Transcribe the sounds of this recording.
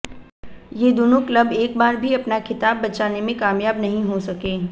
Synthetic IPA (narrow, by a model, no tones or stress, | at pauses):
jed̪oːnuklɐbeːkbaːɾbʱiɐpnakʰɪt̪aːbːɐt͡ʃaːnemẽkaːmjaːbnɐɦĩɦosɐkeː